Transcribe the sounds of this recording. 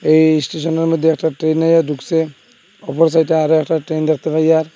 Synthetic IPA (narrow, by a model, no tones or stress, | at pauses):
ejsʈes̬ɔnɔɾmɔd̪ʱjeɛkʰʈaʈɾenːajad̪ukse | ɔpɔɾs̬ajʈeaɾɔɛkʰʈaʈɾend̪ɛkʰt̪epʰajaɾ